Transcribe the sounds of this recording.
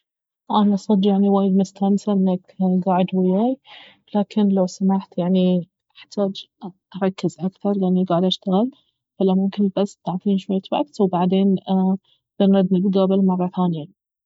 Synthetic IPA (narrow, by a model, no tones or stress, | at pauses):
ʔanʔɑsˤɨd̪jaʕniwaːjɪd̪mʊst̪ʰamsaʔɪnːakɡaːʕɪd̪wɪjaːj | laːkʰɪnlawsamaħt̪jaʕni | ʔaħt̪ʰaːd͡ʒʔɑɾˤɑkːɪzʔakθɑɾˤjaʔnːiɡaːʕɪd̪ʔaʃt̪aɣɪl | falamʊmkɪnbasːt̪aʕt̪ˤiːnʃwajːt̪wa̰kt̪wbaʕd̪eːn | b̥ɪnɾɑd̪nɪɡd̪abɪlmɑrˤːɑθaːnja